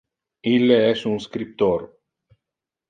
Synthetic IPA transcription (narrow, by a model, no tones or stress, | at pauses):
ilːeɛsunskɾip̚t̪oɾ